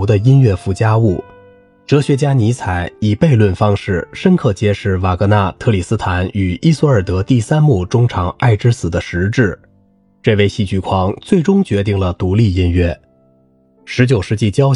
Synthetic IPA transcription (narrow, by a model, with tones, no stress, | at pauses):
d̪ə˧i˥nɥɛ˥˧fu˥˩t͡ɕja˥u˥˩ | ʈ͡ʂɤ˧˥ɕɥɛ˧˥t͡ɕja˥ni˧˥t͡sʰa˨˩˦ɪi˨˩pe˥˧ɪlwə˥˩nfɑ˥ŋʂɻ̩˥˩ʂə˥nkʰɤ˥˧˩t͡ɕjɛ˥ʂɻ̩˥˩wa˨˩kɤ˧˥na˥˧t̪ʰɤ˥˧li˨˩sɹ̩˥t̪ʰa˧˥ny˨˩ʔi˥su˥ə˞˨˩t̪ɤ˧˥t̪i˥˩sa˥nmu˥˩ʈ͡ʂʊ˥ŋʈ͡ʂʰɑ˧˥ŋa˥˩ɪʈ͡ʂɻ̩˥sɹ̩˨˩d̪ə˦ʂɻ̩˧˥ʈ͡ʂɻ̩˥˩ | ʈ͡ʂɤ˥˧ɪʋe˥˧ɪɕi˥˩t͡ɕy˥˩kʰwɑ˧˥ŋt͡swe˥˩ɪʈ͡ʂʊ˥ŋt͡ɕɥɛ˧˥t̪̬i˥˩ŋlə˩t̪u˧˥li˥˩i˥nɥɛ˥˩ | ʂɻ̩˧˥t͡ɕjo˨˩ʊʂɻ̩˧t͡ɕi˥˩t͡ɕjɑ˥ʊ